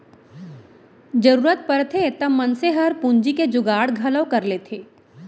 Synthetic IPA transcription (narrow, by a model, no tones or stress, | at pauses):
d͡ʒɐɾuːɾət̪̚pəɾt̪ʰet̪ɐmɐnseɦɐɾpʊ̃ɲd͡ʒiked͡ʒʊɡaːɽɡʱɐləʋkɐɾleːt̪ʰeː